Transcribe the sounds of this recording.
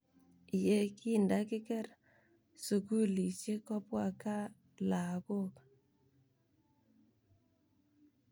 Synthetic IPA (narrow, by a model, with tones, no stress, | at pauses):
jɛ˦kʰi˦˨nda˦kɪ˦kɛ˦r | su˨ku˦li˨sje˦kɔ˦pwa˦˨ka˦ | la˨ko˦˨k